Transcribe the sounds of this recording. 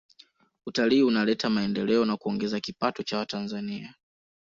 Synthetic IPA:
utaliːunalɛtamaɛndɛlɛɔnakuɔŋɡɛzakipatɔt͡ʃawatanzania

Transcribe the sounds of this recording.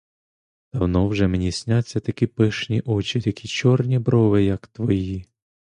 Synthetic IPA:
d̪̥ɐwnɔwʒɛmenʲisʲnʲat͡sʲːɐt̪ɐkʲipɪʃnʲiʔɔt͡ʃit̪ɐkʲʰit͡ʃɔrnʲibɾɔʋɪjɐkt̪ʋɔji

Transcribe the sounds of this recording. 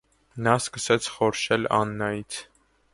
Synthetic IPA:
nɑskəsɛt͡sʰχɔɾʃɛlɑ̰nːɑjit͡sʰ

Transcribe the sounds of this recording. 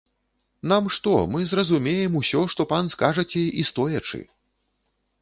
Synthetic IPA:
namʂt̪ɔmɨzrɐzumʲejɛmusʲɔʂt̪ɔpanskaʐɐt͡sʲɛist̪ɔjɐt͡ʂɨ̰

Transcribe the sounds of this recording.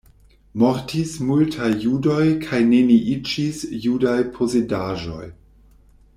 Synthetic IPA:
moɾtismultʰajːudojkʰajneniʔit͡ʃisjudajpʰozedaʒo̞̰j

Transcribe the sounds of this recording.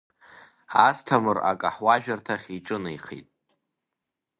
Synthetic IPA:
astʰamɨra̰kʼa̰ħwaʒᶣartʰaχʲiʈ͡ʂʼɨnɨjχḛtʼ

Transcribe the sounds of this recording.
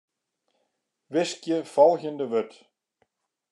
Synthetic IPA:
vɪscɪfalçɪnt̪ɪvœt̪

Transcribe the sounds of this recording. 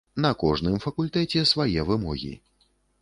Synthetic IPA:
nɐkɔʐnɨmfɐkulʲt̪ɛt͡sʲɛsvajɛvɨmɔɣʲḭ

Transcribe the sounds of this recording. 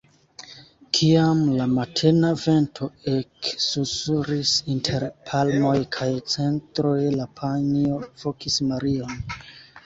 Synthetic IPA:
kʰiamlamatʰe̞nave̞ntʰo̞eksusuɾisintʰe̞ɾpʰalmo̞jkʰajt͡se̞ntɾo̞jlapʰanio̞vo̞kismaɾio̞n

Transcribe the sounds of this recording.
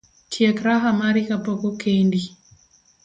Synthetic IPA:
kʰiakɾaɦamaɾikapɔkɔkendi

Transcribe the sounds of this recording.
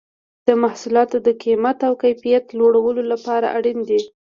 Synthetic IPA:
d̪̥əmahsulɑt̪od̪əkimat̪awkajfijat̪loɽawəlolapɑɾa̰ʔaɽind̪i

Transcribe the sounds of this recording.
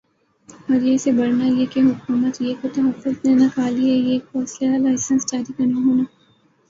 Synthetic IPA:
ɔːɾjeɪsebɐɾnajekeɦʊkuːmət̪jekot̪ɐɦɐfːʊznenɐkaːliejeːkfɔːslelaːɪsə̃nsd͡ʒaːɾikɐɾnaɦoːnaː

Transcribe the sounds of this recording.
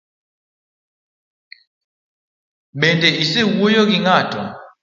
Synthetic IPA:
mɓɛndɛisɛɣujɔɣiŋaːtɔ̰

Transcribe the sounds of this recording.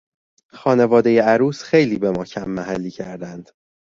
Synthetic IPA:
xɒːne̞vɒːd̪e̞je̞æɾuːsxe̞jliːbe̞mɒːcʰæmːæhælːiːcʰæɾd̪ænd̪̥

